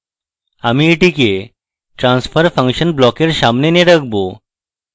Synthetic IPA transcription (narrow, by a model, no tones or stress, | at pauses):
amiːʈike | ʈɾãnsfəɾfə̃ŋkɕənblɔkeɾɕamneneɽək̚bo